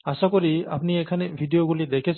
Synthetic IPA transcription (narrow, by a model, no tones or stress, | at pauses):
asakɔɾia̰pniɛkʰanɛbʱidijoɡulid̪ɛkʰɛs